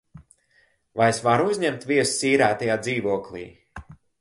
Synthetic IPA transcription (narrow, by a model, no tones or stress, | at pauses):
vajesvaɾuzʲɲɛmt̪vʲiɛssiːɾaːt̪ajaːd̪ziːvuɔklˠḭː